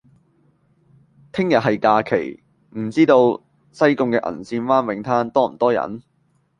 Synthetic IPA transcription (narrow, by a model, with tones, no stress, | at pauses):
t̪ʰɪ˥ŋjɐ˨t̚ɦɐ˨jkaː˧kʰḛ˨˩j | m̩˨˩t͡siː˥t̪o˧w | sɐ˥jkʊ˧ŋkɛː˧ʔɐ̰˨˩nsiː˧nfaː˥nwɪ˨˧˥ŋt̪ʰaː˥nt̪ɔː˥m̩˨˩t̪ɔː˥jɐ̰˨˥n